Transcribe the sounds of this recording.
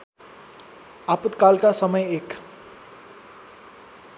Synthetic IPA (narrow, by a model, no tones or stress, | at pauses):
apət̪kalkasʌmʌjek